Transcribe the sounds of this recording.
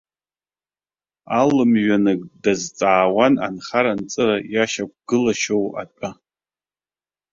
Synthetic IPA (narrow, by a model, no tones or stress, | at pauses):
alɨmɥanɨɡʼdazt͡sʼaːwana̰nχaɾant͡sʼɨrajaʃak̚ʷʰʼɡ̥ɨlaʃowa̰t͡pʼa